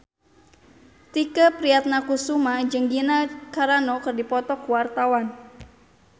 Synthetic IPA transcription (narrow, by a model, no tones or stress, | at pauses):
t̪ikəpɾiat̪̚nakusumad͡ʒəŋɡinakaɾanɔkərdipɔt̪ɔkuwart̪awan